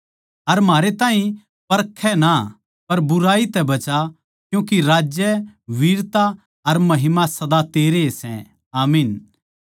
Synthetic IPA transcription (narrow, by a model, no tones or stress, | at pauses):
ɐɾm̤aːɾet̪aːɦĩ | pɐɾkʰːɛna | pɐɾbʊɾaːit̪ɛbɐt͡ʃa | kjũːkiɾaːd͡ʒjɛʋiːɾt̪a | ɐɾmɐɦɪmasɐd̪at̪eːɾesɛ̰̃ | aːmiːn